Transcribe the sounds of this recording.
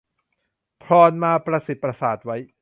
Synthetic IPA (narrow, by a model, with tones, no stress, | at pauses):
pʰlɔː˧nmaː˧pɾa˧si˨˩t̪̚pɾa˧saː˨˩t̪̚wa˦˥j